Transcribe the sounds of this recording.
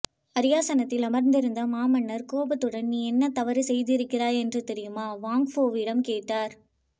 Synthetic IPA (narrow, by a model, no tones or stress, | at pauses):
ɐɾɪjaːsɐnɐt̪ːɪlɐmɐɾnd̪ɪɾɯnd̪ɐmaːmɐnːɐɾkoːbɐt̪ːɯɽɐnniːɛnːɐt̪ɐʋɐɾɯsɛjðɪɾɯkːɪɾaːɛndrɯt̪ɛɾɪjɯmaːʋaːŋɡfoːʋɪɽɐmkeːʈːaːɾ